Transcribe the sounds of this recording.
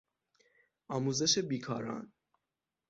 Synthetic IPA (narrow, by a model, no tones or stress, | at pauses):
ɒːmuːze̞ʃebiːkʰɒːɾɒ̰ːn